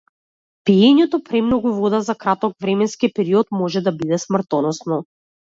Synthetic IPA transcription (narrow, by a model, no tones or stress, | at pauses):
piɛɲɛt̪ɔpɾɛmnɔɡuvɔd̪azakɾat̪ɔkvɾɛmɛnskipɛɾiɔt̪mɔʒɛd̪abid̪ɛsmr̩t̪ɔnɔsnɔ